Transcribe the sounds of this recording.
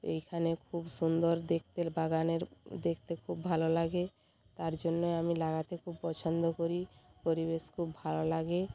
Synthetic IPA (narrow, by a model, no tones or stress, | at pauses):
ḛjkʰanekʰubsund̪oɾd̪ek̚ʰt̪ebaɡaneɾd̪ek̚ʰt̪ekʰubʱalolaɡe | t̪aɾd͡ʑonːojamilaɡat̪ekʰubpɔt͡ɕʰond̪okoɾipoɾiβeʃkʰubbʱalolaɡe